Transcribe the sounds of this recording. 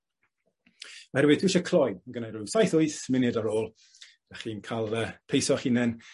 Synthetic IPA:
ɔɛɾwɪtʰuʃəkʰlˠɔjəɡənajɾusajθʊɨsmɪnɨdaɾoːlˠ | d̥aχiːnkʰalˠəpʰejsɔχinɛn

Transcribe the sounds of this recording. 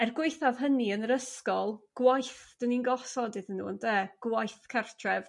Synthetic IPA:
ɛrɡwɪjθav̥ɦəniənəɾəskɔlˠɡ̥wajθd̥əninɡɔsɔdɪðənːṵːəndeːɡ̥wajθkʰartʰrɛv

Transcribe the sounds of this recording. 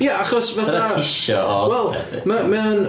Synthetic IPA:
jaaχɔsvaaɪʃɔ̰ɔwɛlˠɛ̰ɪ̰məmɛwn

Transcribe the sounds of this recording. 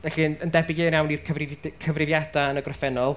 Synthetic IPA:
vɛɬinəndɛbɪɡɨːnjawnirkʰəvrkʰəvrɪvjadaənəɡrɔfɛnɔlˠ

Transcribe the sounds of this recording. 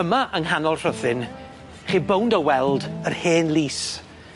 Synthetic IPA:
əmaʔəŋɦanɔlˠr̥əðɪn | χiːbowndɔwɛlˠdərheːnliːs

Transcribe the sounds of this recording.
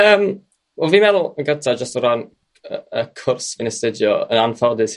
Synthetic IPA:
əːm | wɛlˠviːmɛðʊlˠəŋɡəntʰad͡ʒəstəɾan | əəkʰʊrsvinəstɪdjɔə̰nanfɛlˠdɪs

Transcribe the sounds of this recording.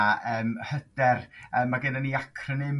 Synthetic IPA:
əːmhədɛrəːmːaɡɪnaniakʰrənɪm

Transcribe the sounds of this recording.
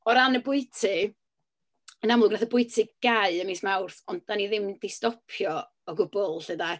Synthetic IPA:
ɔɾanəbʊɨtʰɨ | ənamlˠʊɡnaθəbʊɨtʰɨɡ̥aɨənismawrθɔnd̚daniðɪmdistɔpʰjɔ | ɔɡʊb̥ʊlˠɬəda

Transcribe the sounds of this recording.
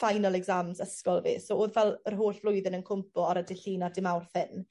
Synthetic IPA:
fajnalˠɛɡzamzəskɔlˠvḭːsoːoːðvɛlˠərɦoːɬv̥lʊjðɪnənkʰʊmpɔaɾədɪɬiːnadɪmawrθɪn

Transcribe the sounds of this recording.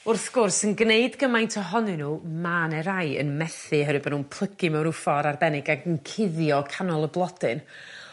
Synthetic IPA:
ʊrθɡ̥ʊrsənɡneɨdɡəmajntʰɔɦɔnɨnuːmaːnɛɾaɨə̰nmɛθɨɦəɾɨbɔnuːnpʰl̥ˠəɡɨmɛwɾʊfɔɾarbɛnɪɡaɡənkʰɪðjɔkʰanɔlˠəblˠɔdɨn

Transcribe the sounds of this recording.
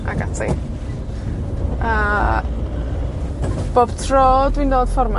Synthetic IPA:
a̰ɡa̰tʰḭ | ə | b̥oːb̥tʰroːdwiːndoːd̥fɔrma

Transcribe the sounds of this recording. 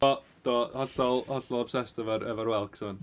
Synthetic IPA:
ɔ | d̥ɔhɔɬɔlˠhɔɬɔlˠab̥sɛstɛvəɾɛvəɾwɛlˠkʰsəːn

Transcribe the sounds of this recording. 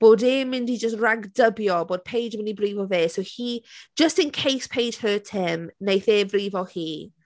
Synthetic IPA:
b̥oːdeːmːɪ̃ndid͡ʒəstraɡdəbjɔboːd̥̚pʰejd͡ʒmɪ̃nibriːvɔveːsowhi̥d͡ʒ̥əstɪ̃nkʰejspʰejd̥həːtʰɪmnejθeːbriːvɔlˠhiː

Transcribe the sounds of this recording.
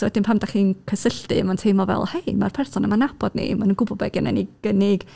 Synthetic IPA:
sɔwɛdɪnpʰamdaχiːnkʰəsəɬtɨ̰mantʰeːmɔvɛ̰lˠhejmarpʰɛrsɔnamanab̥ɔd̥nḭmanənɡʊbɔbɛ̰ɡɪna̰niɡ̥ənɪɡ̥

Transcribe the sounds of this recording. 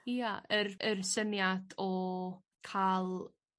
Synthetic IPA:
iaʔərərsənjadɔ | kʰaːlˠ

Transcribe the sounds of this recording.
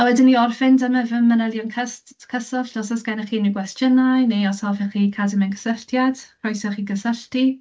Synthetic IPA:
awɛdɪnːiɔrfɪndəməvəmənɛlˠjɔnkʰəskʰəsɔɬnɔsɔsɡ̥ajnəχiːniɡwɛstʰjənajniɔsɔvɛχikʰadəmɛnɡəsəɬtʰjad̥r̥ɔjsɔχiːɡəsəɬti

